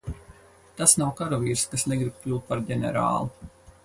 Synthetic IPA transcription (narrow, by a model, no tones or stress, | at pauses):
t̪asnawkaɾɔviːɾskasnɛɡɾib̚klʲuːt̪̚paɾɟɛnɛ̰ɾa̰ːlˠu